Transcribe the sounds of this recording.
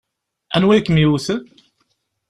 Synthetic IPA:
ænwæjkːmiuθən

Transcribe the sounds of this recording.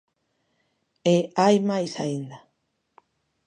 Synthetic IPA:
eajmajsaind̪a

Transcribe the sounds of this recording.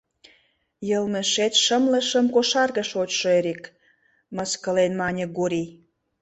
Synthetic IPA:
jəlmĕʃet̪ʃə̆mlə̆ʃəmkoʃɑrɣə̆ʃot͡ɕʃoeɾik | mə̆skə̆lenmɑnʲəɡuɾi

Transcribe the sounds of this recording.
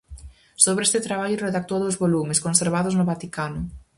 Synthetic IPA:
soβɾest̪et̪ɾaβaʎʊreðak̚t̪oðoʊzβolumeskonseɾβ̞aðoznʊβat̪ikanʊ

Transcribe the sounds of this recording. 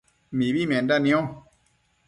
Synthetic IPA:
mibimɛ̃ndanĩɔ̃

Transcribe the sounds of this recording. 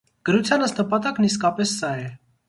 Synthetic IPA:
ɡ̥əɾut͡sʰjɑnəst̪nəpɑt̪ɑkniskɑpɛsːɑɛ

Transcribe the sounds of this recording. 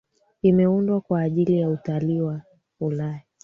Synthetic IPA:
imɛundwakwaːʄilijautaliwa | hulaja

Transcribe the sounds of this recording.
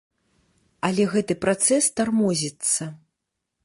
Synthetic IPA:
alʲɛɣɛt̪ɨpɾat̪sɛst̪armɔzʲit̪sːɐ

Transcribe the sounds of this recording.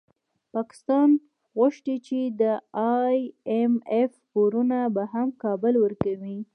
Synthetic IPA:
pɑkɪ̥st̪ɑn | ɣʊʃʈit͡ʃed̪əɑjemefpoɾunabaɦamkɑbʊlwəɾkawi

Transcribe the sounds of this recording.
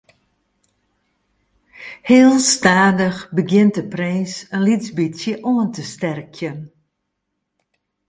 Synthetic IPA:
heːlˠstaːdəxbəɡjɪntəprɛːsənlizbisjəʔoəntəstɛrkʰjən

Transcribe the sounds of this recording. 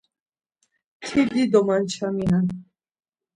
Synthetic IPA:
t̪ʰid̪id̪omant͡ɕʰamiɦan

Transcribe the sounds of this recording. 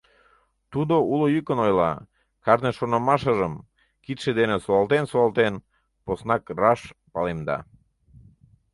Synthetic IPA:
t̪ud̪oulojykənojlɑ̰ | kɑɾneʃonɑmɑʃəʒəm | kit̪ʃed̪enesoɑlt̪ensoɑlt̪en | posnɑkrɑʃpɑlemd̪ɑ̰

